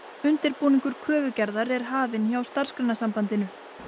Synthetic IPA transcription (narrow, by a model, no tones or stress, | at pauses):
ʏnt̪ɪɾpuːniŋkʏɾ̥kʰɾœːvʏcɛɾðaɾɛɾ̥ɦaːvɪnçawst̪ar̥skɾɛnːasampant̪ɪnʏ